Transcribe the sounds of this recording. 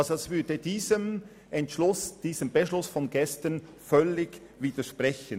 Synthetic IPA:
ɑlzoɛsvʏɐdədiːzəm | ʔɛntʃlʊsd̥iːzəmb̥eʃlʊsfɔnɡɛstən | fœlːɪɡ | viːd̥əʃpʁɛçən

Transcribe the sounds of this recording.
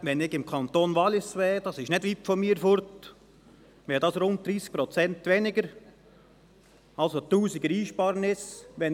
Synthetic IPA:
ʋɛnɪɡɪmkʰɑnt̪oːnʋɑlɪsʋeːd̥ɑsɪʃnɪdʋiːpfomiːɾfʊɾt̪ | ʋɛːɾdɑsɾʊnt̚d̥̪ɾiːsk̚pɾɔt͡sɛntʋɛnɪɡəɾ | ɑlsot̪uːsɪɡəɾiːʃpɑːɾənɪsʋɛn

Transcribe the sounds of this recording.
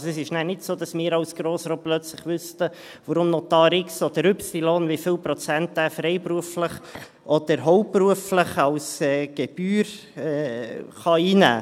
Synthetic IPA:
sɛsɪʃnæːnɪtsoːd̥ɑsmɪːɾɑwsɡ̥ɾoːsɾoːplœt͡sləχʋʏstə | ʋəɾʊmnot̪ɑːɾɪksɔd̥əɾʏpsiloːnvifɪwpɾɔt͡sæntæfɾɛɪpɾuəfləχ | ʔɔd̥əɾɦɔʊpːruəfləχɑlsɛːɡ̥ɛb̥yːɾ | ɛχɑiːnæ̰ː

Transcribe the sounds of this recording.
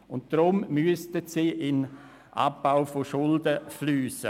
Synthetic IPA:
ʊntd̥ɾʊmmyəstətsiːʔɪn | ʔa̰pːaʊfoʃʊldəflyːsə̰

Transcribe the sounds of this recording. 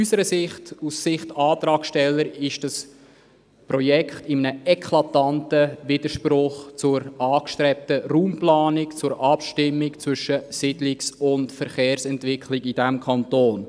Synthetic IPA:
ysəɾəsɪχtussɪχtɑːt̪ɾɑːkʃtɛlːəɾɪʃd̥ɑs | prɔjɛkχtɪmənəɛkʰlɑtɑntəvɪd̥əɾʃprʊχt͡sʊɾɑːkʃtɾɛp̚təruːmplɑːnɪkt͡sʊɾʔɑpʃtɪmːɪkt͡sʋʏʃəsɪdlɪksʊntfəɾχeːɾsɛntvɪkχlɪkidæmkʰɑntoːn

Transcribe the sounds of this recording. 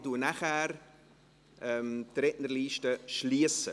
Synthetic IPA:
duːnaχæːɾ | ʔɛmtɾɛtnərliːʃtəʃliəsə

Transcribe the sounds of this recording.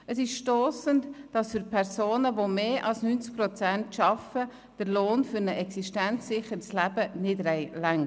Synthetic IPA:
əsɪʃʃtoːsəntd̥ɑsfʏɾpʰɛɾsoːnəʋomeːʔɑlsnyːnt͡sk̚pɾɔt͡sæntʃɑfə | d̥əɾloːnfʏɾnəʔɛksiʃtænt͡sːɪχəɾslæb̥ənɪdɾɛɪlæŋ

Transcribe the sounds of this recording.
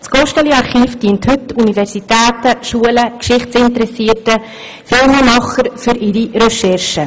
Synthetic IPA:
sɡ̥ɔʃtəliɑɾχiːfd̥iənthʏtunivɛɾsitæːtəʃuələkʃɪχt͡sɪntəɾɛsiːətə | fɪlməmɑχəɾfʏɾɪɾiɾəʃɛrʃə

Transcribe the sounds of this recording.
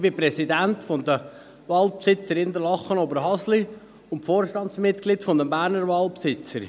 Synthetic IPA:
b̥ɪpɾɛsid̪ænt̪fod̪ə | ʋɑlˠpsɪt͡səɾɪnd̪əlɑχːənobəɾɦɑsli | ʊntfoːɾʃtɑnt̪smɪt̪ɡ̥lɪtfod̪əmbæːɾnəɾvɑːlˠpsɪt͡səɾ

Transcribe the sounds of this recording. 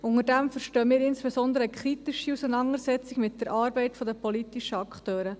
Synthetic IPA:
ʊŋəɾdæmfəɾʃtøːəmiːɾɪnsb̥ɛsɔnd̪əɾəəkʰχɾit̪iʃiusənɑŋəsɛt͡siɡmɪt̚d̥ɛɾʔɑːɾbɛɪt̪fɔdəpɔlit̪iʃəɑkχtøːɾə

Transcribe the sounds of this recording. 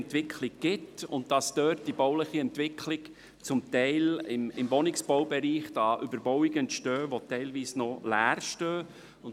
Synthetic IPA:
ntʋɪkʰlɪk̚ɡ̥ɪtʊ̰nt̚d̥ɑsd̥øːt̚d̥ibɔʊləχiɛntʋɪkʰlɪk | t͡sʊmtɛɪlɪmɪmʋɔnɪksb̥ɔʊbɛɾiːχd̥ɑːʔʏbəɾbɔwɪɡəntʃtøːʋotɛɪlʋiːsnɔlæːɾʃtøː | ʊn

